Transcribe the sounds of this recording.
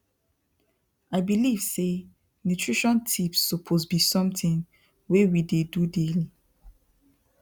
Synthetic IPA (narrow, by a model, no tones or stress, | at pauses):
aɪbilivse | nutʰɹiʃɔ̃ntʰipsːɔpʰosbisɔ̃mtĩn | wewidedudeli